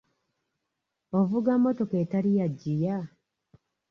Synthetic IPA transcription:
ovuɡamːoto̞ketalijaɟːija

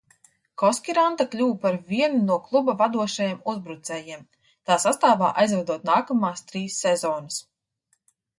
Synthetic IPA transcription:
kɔskʲiɾant̪aklʲuːwpaɾviɛnunuɔklˠubavad̪uɔʃajɛmuzbɾut̪sɛːjiɛm | t̪aːsast̪aːvaːʔajzvɛd̪uɔt̪̚naːkamaːst̪ɾiːsːɛzɔːnɐs

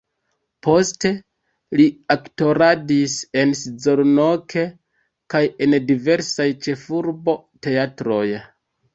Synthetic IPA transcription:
po̞ste̞ | liakto̞ɾadise̞nsizo̞ɾno̞kʰe̞ | kaje̞ndive̞ɾsajt͡ʃe̞fuɾbo̞te̞atɾo̞j

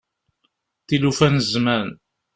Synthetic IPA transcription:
θilufænəzmæn

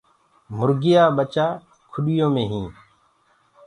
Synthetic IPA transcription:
mʊɾɡɪjaːɓət͡ʃaː | kʰʊɗɪjõːmẽːɦĩː

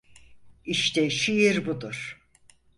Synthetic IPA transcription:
iʃt̪ʰɛʃijiɾbud̪uɾ̥

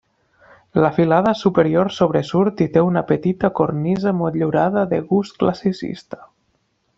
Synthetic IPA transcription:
ləfilað̞əsupəɾioɾsoβ̞ɾəsuɾt̪it̪eunəpət̪it̪əkornizəmot̪ʎiwɾaðəðəɣusklasisḭst̪ə̥

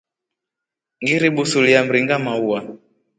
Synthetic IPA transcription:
ŋɡiɾiɓusuliam̩ɾiŋɡamauwa

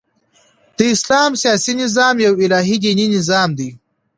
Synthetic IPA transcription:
d̪̥əɪslɑːmsjɑːsinɪzɑːmjawɪlɑːɦid̪ininɪzɑːmd̪i

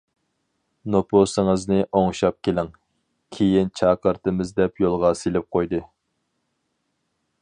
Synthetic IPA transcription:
noposɨŋɨznɨʔoŋʃɑp̚kʲelɪŋ | kʲʰejint͡ʃʰɑːqəɾt̪ɨmɪzd̪ɛpjolˠʁɑselɪp̚qʰojd̪ɨ

